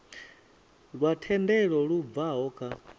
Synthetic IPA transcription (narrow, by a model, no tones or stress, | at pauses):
ɺwatʰɛndɛɺɔɺuvaɦɔkʰa